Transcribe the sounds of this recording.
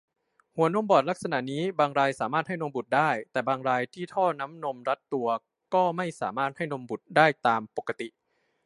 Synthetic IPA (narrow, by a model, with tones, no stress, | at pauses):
hu˨˩˦ɐno˧˥˨mbɔː˨˩t̪̚la˦˥k̚sa˧na˨˩ʔniː˦˥baː˧ŋɾaː˧jsaː˩˦maː˥˩t̪̚ha˥˩jno˧mbu˨˩t̪̚daː˥˩jt̪ɛː˨˩baː˧ŋɾaː˧jt̪ʰiː˥˩t̪ʰɔː˥˩na˦˥mno˧mɾa˦˥t̪ːu˧ɐ | kɔː˥˩ma˥˩jsaː˩˦maː˥˩t̪̚ha˥˩jno˧mbu˨˩t̪̚daː˥˩jt̪aː˧mpo˨˩kːa˧t̪i˨˩ʔ